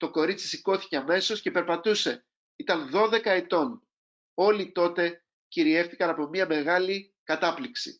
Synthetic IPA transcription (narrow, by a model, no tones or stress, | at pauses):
t̪o̞ko̞ɾit͡si̥siko̞θi̥ce̞ɐme̞so̞sce̞pe̞ɾpɐt̪use̞ | it̪ɐnðo̞ðe̞kɐe̞t̪o̞n | o̞lit̪o̞t̪e̞ | ciɾie̞fθi̥kɐnɐpo̞miɐme̞ɣɐli | kɐt̪ɐpliksḭ